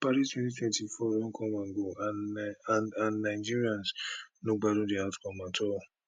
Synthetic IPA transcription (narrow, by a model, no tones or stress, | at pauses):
paɾistwɛ̃ntitwɛ̃ntifɔlɔ̃n̩kʰɔ̃mãŋɡoa | ãnːaɪd͡ʒiɾiãnsnõɡ͡baɾõdiawtkɔ̃mãtʰɔ